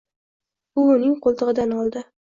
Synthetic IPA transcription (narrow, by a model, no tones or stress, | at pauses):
ʊʊnɪŋqʰolˠt̪ɨʁɨd̪anɒlˠd̪ɪ